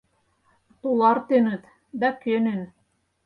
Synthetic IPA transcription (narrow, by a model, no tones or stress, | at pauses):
t̪ulˠɑɾt̪ɘ̆nɘt̪ | d̪ækønɘn